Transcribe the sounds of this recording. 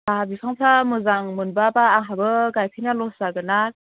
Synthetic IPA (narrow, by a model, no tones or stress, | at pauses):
baabipʰaŋpʰamɯzaŋmɯnbabaːŋɦabɯɡajkʰɯjnalɔsaɡɯnak̚